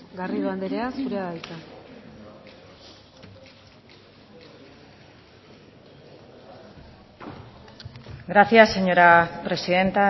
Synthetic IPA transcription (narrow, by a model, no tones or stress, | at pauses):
ɡariðuand̪eɾeasuɾeaðajt̪a | ɡɾaθjasːe̞ɲo̞ɾapɾe̞siðe̞nt̪a